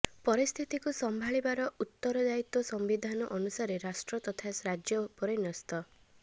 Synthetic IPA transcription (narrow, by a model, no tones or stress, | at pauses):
pɔɾist̪ʰit̪ikusɔmbʱaɭibaɾɔut̪ːɔɾɔd͡ʒait̪wɔsɔmbid̪ʱanɔʔɔnusaɾeɾasʈɾɔt̪ɔt̪ʰasɾad͡ʒjɔpɔɾenɔst̪ɔ